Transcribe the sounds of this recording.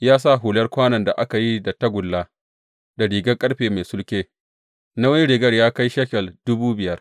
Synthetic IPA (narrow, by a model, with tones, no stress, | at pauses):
jaː˦s̬a˦˨ɦu˨lɐ˦rkʷaː˦nɐ˨nda˨ʔa˦ka˨ji˦da˨tɐ˦ɡʷʊ˨lːa˦ | da˨ɽiː˨ɡɐ˦kʼɐ˦ɽɸeː˨ma˨sʊ˦lkʲeː˦ | na˦wɐ˦ni˦ɽɪ˨ɡɐ˦˨rjaː˦ka˦jʃɐ˦kʲɛ˨ldʊ˦buː˦bɪ˨jɐ˦r